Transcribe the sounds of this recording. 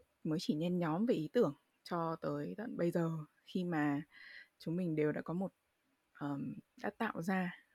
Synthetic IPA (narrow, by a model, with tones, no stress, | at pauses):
məː˨˦jt͡ɕi˧˩ɲɛ˧nɲɔ˨˦mve˨˩ʔi˨˦t̪ɨ˧˩əŋ | t͡ɕɔ˧t̪əː˨˦jt̪ə̰˧˨nɓə˧jzəː˨˩ | xi˧maː˨˩t͡ɕʊ˨˦ŋ͡mmï˨˩ŋ̟ɗe˨˩wɗa̰ː˧˥˩kɔ˨˦mo˨˩t̚ | ʔəː˨˩mɗa̰ː˦˥t̚t̪a̰ː˧˨wzaː˧